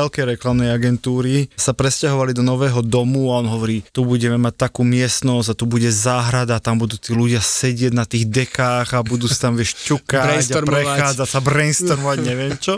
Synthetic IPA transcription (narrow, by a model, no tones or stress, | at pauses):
ɛlkɛjɾɛklamnɛjaɡɛnt̪uːɾisapɾɛscaɦɔʋalid̪ɔnɔʋɛːɦɔd̪ɔmuaɔnɦɔʋɔɾiːt̪ubuɟɛmɛmac̚t̪akuːmɪɛst̪nɔzɟat̪ubuɟɛzaːɦɾad̪aːt̪ambud̪uːt̪iːluɟɪasɛɟɪɛɟnat̪iːɣd̪ɛkaːɣabud̪uːsḁt̪amʋɪɛʃcukaɟaɾpɾɛxaːd͡zacsabɾɛnst̪ɔɾmɔʋaɟɲɛʋɪɛmt͡ʃɔ